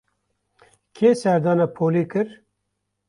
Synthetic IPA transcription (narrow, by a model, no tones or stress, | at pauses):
kʰeːsɛɾd̪ɑːnapʰoːlikɨɾ